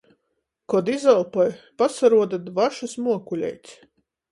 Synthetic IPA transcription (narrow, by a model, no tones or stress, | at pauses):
kɔd̪izalˠpɔjpasaɾuɔd̪ad̪vaʃusmuɔkulʲɛ̰jt̪ʲsʲ